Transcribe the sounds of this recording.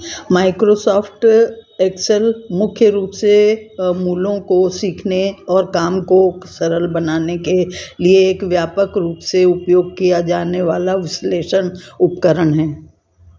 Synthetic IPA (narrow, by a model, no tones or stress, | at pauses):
maːɪkɾosɔːfʰʈeːksəlmʊkʰjəɾuːpsemuːlõkosiːkʰneɔːɾkaːmkosɐɾəlbɐnaːnekelieːkʋjaːpəkɾuːpseʊpjoːɡ̚kijad͡ʒaːneʋaːlaʋɪsleːʃənʊpkəɾəɽɦɛː